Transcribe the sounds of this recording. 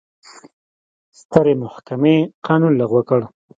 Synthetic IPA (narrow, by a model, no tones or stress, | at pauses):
st̪əɾemʊhkameqɑnunlaɣwakəɽ